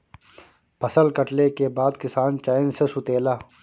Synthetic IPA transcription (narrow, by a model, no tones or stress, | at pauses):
pʰɐsəlkɐʈlekebaːd̪kɪsaːnt͡ʃaːɪnsesʊt̪eːlaː